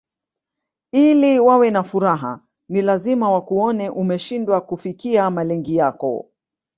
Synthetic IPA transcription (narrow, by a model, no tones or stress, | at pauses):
iliwawɛnafuɾaɦa̰ | nilazimawakuɔnɛʔumɛʃindwakufikiamalɛŋɡijakɔ̰